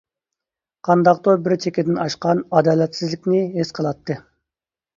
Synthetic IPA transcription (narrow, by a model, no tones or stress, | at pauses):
qʰɑnd̪ɑqt̪obɪɾt͡ʃʰekʲɪd̪ɪnɑʃqɑnɑd̪ɑːlɛt̪sɪzlɪkʲnɪɦesqʰəlˠɑt̪ːɨ